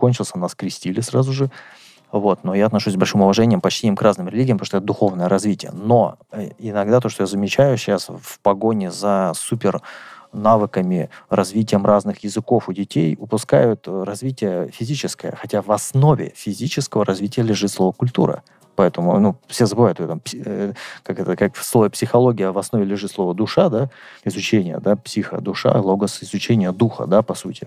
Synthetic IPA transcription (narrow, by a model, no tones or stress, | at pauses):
konʲt͡ɕɪlˠsʲənaskɾʲɪsʲtʲilʲɪsɾazʊʐɨ | vo̞t̪no̞jaːt̪nɐʂusʲsbɐlʲʂɨmʊvɐʐɛnʲɪjəmpɐt͡ɕtʲinʲɪmkraznɨmɾʲɪlʲiɡʲɪjəmp̪oʂt̪ɛt̪əd̪ʊxo̞vnəjəɾɐzvʲitʲɪjə̰noɪnɐɡd̪at̪o̞ʂt̪ojazəmʲɪt͡ɕæjʊɕɕasfpɐɡo̞nʲɪzɐsupʲɪrnavɨkəmʲɪrɐzvʲitʲɪjəmraznɨxjɪzɨko̞fʊdʲɪtʲejʊpʊska̰jʊt̪rɐzvʲitʲɪjəfʲɪzʲit͡ɕɪskəjə̰xɐtʲavɐsno̞vʲɪ̰fʲɪzʲit͡ɕɪskəvəɾɐzvʲitʲɪjəlʲɪʐɨt̪slˠo̞vəkʊlʲt̪ṵɾə̰ | pɐɛt̪əmʊ̰nufsʲezəbɨvajʊt̪ɛt̪əmpʲ | kakɛt̪əkakfslˠovɪpsʲɪxɐlˠoɡʲɪjəvɐsnovʲɪlʲɪʐɨt̪slˠo̞vəd̪ʊʂad̪aɪzʊt͡ɕenʲɪjə̰d̪apsʲixə̰d̪ʊʂa̰lˠoɡəsɪzʊt͡ɕenʲɪjəd̪uxə̰d̪apɐsutʲɪ